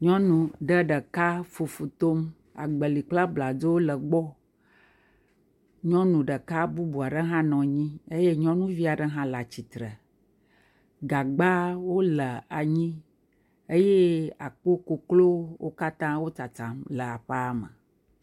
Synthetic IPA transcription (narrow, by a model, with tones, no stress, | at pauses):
ɲɔ̃˦nũ˨ɖə˨ɖə˨ka˦fu˨fu˨t̪o˦m | a̰˨ɡ͡bə˨li˨k͡pla˦bla˨do˦wo˦lə˨ɡ͡bɔ˦ | ɲɔ̃˦nũ˨ɖə˨ka˦bu˦bu˨a˨ɖə˦ɦã˦nɔ̃˨ɲĩ˦ə˦je˦ɲɔ̃˦nũ˦vi˦a˨ɖə˦ɦã˦la˨t͡ɕi˨t̪ɾə˨ | ɡa˨ɡ͡ba˦wo˦lə˨a˨ɲĩ˦ | ə˦je˦a˨k͡po˦ko˨klo˦wʔo˦ka˦t̪ã˦wo˦t͡sa˨t͡sã˨mlə˨a˨ɸa˦mə̰˨